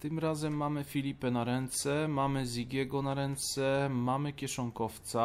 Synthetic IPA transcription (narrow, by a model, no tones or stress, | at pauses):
t̪ɘmɾazɛmːamɘfʲilʲipɛnaɾɛnt̪sɛmamɘzʲiɡʲjɛɡɔnaɾɛnt̪sɛmamɘkʲɛʂɔŋkɔft̪sa